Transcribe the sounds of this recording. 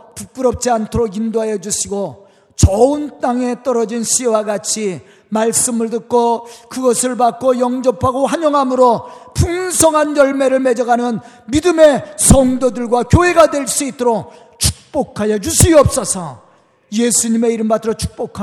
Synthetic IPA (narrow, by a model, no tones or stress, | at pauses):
pup͈uɾʌp̚t͡ɕ͈iantʰoɾoɡindoɦajʌd͡ʑuɕʰiɡo | t͡ɕʌɯnt͈aŋe̞t͈ʌɾʌd͡ʑinɕʰiwaɡat͡ɕʰi | maɭs͈ɯmɯɭdɯk͈̚okɯɡʌsʰɯɭbak͈ojʌŋd͡ʑʌpʰaɡohaɲʌŋɦamɯɾopuŋsʰʌŋɦanjʌɭme̞ɾɯɭme̞d͡ʑʌɡanɯn | midɯme̞sʰʌŋdodɯɭɡwakjoɦe̞ɡadwe̞ɭs͈uit͈oɾok̚ | t͡ɕʰu̥k̚p͈okʰajʌd͡ʑuɕʰiʌp̚s͈ʌsʰʌ | jesʰuɲime̞iɾɯmbatʰɯɾot͡ɕʰu̥k̚p͈okʰa